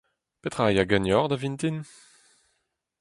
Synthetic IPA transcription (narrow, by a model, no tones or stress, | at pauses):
pet̪χajaɡanɔʁd̪avint̪in